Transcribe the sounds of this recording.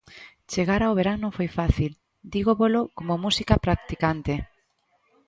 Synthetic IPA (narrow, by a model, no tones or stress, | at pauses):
t͡ʃeɣaɾawβ̞eɾaŋnõŋfojfaθil | d̪iɣoβolokomomusikapɾak̚t̪ikant̪e